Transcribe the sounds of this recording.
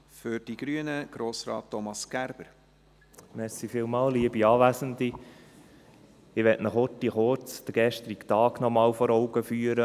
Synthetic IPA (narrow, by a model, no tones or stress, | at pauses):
fʏɾd̥iɡ̥ɾyənəɡ̥ɾoːsɾɑ̰ːtːɔmɑsɡ̥æɾb̥əɾ | mɛɾsifiːlmɑːlliəbiɑːʋæsənd̪i | ɪʋɛtnəχotːiχʊɾt͡sd̥̪əɡ̥ɛʃt̪ɾiktɑːɡ̥nɔmɑːwfɔɾɔʊɡəfyːəɾə